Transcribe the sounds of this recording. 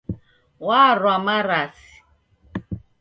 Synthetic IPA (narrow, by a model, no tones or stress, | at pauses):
waːrwamaɾasi̥